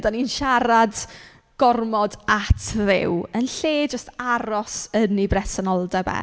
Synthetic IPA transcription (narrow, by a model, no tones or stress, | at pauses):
daninʃaɾad | ɡ̥ɔrmɔdatʰðɪ̰wənɬeːd͡ʒəstaɾɔsənibrɛsɔnɔlˠdɛbɛ̰